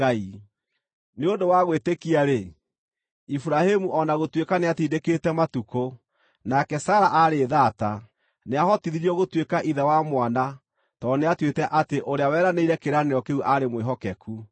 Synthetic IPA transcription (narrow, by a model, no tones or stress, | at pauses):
ai | neondowaɣwetekiaɾe | ifuɾahemuʔɔnaɣotwekaneatiːdeketɛmatuko | nakɛsaːɾaʔaɾeðata | neaɦɔtiðiɾiɔɣotwekaʔiðawamwana | tɔneatwetɛʔateʔoɾeawɛːɾaneiɾɛkeɾaneɔkeuʔaɾemweɦɔkɛku